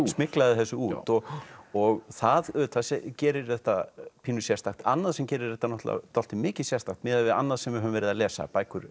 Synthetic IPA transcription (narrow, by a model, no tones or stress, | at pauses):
smɪklaðɪθɛsːʏuːt̪ɔɣɔɣθaðʏt̪ʰasɛcɛːɾɪɾ̥θɛht̪apʰiːnʏsjɛrst̪axt̪a̰nːaðsɛmcɛːɾɪɾðɛht̪anɔht̪la̰t̪ɔlt̪ɪmɪːcɪ̥sjɛr̥st̪axt̪mɪːðaðvɪða̰nːaðsɛmvɪɾɦœvʏmvɛːɾɪðalɛːsa̰paːjkʏɾ